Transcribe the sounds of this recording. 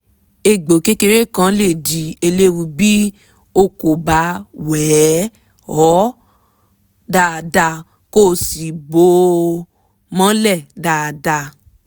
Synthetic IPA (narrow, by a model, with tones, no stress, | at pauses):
e˧˨ɡ͡bo˨ke˦ke˧ɾe˦˨kã˧˦le˦˨di˨e˧le˦wu˧bi˦ | o˧ko˨ba˨˦wɛː˨˦ | ɔ˨˦ | daː˧˨da˧ | ko˦˨si˨bo˧˦ | mã˦lɛ˦˨daː˨da˧